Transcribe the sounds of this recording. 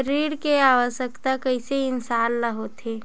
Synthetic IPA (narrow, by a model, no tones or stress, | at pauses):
əɾiːɾkeaːʋəʃəkt̪akəɪseɪnsaːnːɐɦot̪ʰeː